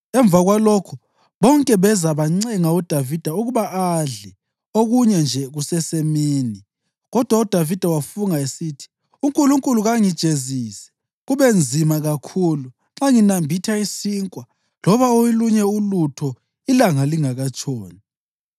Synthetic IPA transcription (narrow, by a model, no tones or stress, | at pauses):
ɛɱb̪vʱaɣwalokʰu | βɔŋkʼɛβɛzaβaŋ͡ǀɛŋaud̥ʱavid̥ʱauɣuβaʔaɮɛ | oɣuɲɛnd͡ʒʱɛɣusɛsemiːni | ɣɔd̥ʱwaud̥ʱavid̥ʱawafuŋaesitʰi̥ | uŋkʼuluŋkʼuluɣaŋid̥ʒ̥ʱezisɛ̥ | ɣuβend͡zʱimaɣakʰuːlu | ŋ͡ǁaŋinambʱitʰaisiːŋkʼwa | lɔβaojiluɲɛulutʰɔ | ilaŋaliŋaɣat͡ʃʰʼɔːni